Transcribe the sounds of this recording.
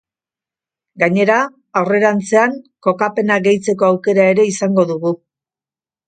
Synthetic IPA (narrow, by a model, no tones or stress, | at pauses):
ɡaɲe̞ɾaː | wre̞ɾant͡se̞aŋko̞kape̞naɡe̞jt͡se̞ko̞awke̞ɾae̞ɾe̞isaŋɡo̞ðuɣu